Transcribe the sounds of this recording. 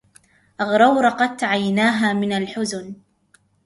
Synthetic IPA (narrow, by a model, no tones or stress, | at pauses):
ʔaɣɾˤɑwɾˤɑqɑd̪̚t̪aʕajnaːɦaːmɪnalħʊzn